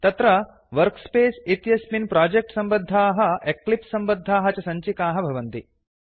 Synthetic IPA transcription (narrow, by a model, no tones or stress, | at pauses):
t̪ɐt̪ɾɐ | ʋɐɾkspeːsit̪jɐsminpɾaːd͡ʒek̚ʈsɐmbɐd̪ʱːaːɦɐ̆eklipsɐmbɐd̪ʱːaːɦɐt͡ʃɐsɐɲt͡ʃikaːɦɐbʱɐʋɐnt̪i